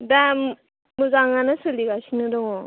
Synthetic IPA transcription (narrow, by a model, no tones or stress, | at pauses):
dam | muzaŋanasɯliɡasinɯdɔŋɔ